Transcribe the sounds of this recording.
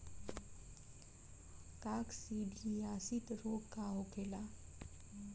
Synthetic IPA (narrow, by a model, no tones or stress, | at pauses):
kaːksiɖʱiaːsit̪ɾoːkkaɦokʰela